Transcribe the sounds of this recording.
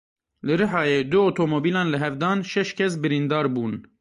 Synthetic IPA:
lɨɾɨħɑːjed̪uot̪ʰomobilɑːnləɦævd̪ɑːnʃɛʃcʰɛs̬bɪɾind̪ɑːɾbuːn

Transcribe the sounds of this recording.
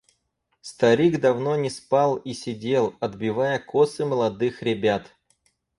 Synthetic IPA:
st̪ɐɾʲiɡd̪ɐvno̞nʲɪspɑlˠisʲɪdʲe̞lˠɐd̪bʲɪvajəkosɨməlˠɐd̪ɨxɾʲɪbʲat̪

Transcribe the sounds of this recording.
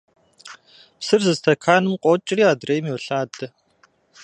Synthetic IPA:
psɨrzɨztʰɐkʰaːnɨmqʷʼɔt͡ʃʼɪriːaːdrejmiwɬaːdɐ

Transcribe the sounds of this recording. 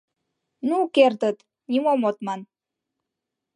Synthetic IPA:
nukert̪ət̪ | nʲimomot̪mɑn

